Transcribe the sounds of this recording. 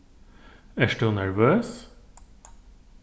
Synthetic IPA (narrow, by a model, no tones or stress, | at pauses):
æʃʈəːnæɹʋøːs